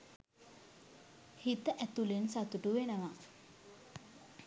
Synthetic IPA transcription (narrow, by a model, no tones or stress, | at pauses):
hit̪əʔæt̪ulensat̪uʈuʋenəʋa